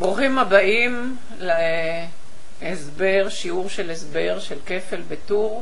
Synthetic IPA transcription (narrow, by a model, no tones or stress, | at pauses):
bʁuχimabaim | le | esbeʁʃiuʁʃelesbeʁʃelke̞fe̞lbetuʁ